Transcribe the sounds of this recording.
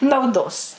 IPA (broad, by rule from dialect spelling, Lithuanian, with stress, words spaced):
nɐʊˈdoːs